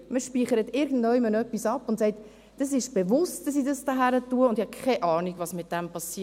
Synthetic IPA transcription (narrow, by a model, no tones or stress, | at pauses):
məʃpiːχəɾətɪɾɡn̩dnɔmənœpːisɑpːʊntsɛɪt | d̥ɑs̬ɪʃb̥evʊstd̥ɑs̬idɑsdəɦæɾətuəʊndihɑkʰɛʔɑːniɡvɑːsmɪt̚d̥ɛmpɑsi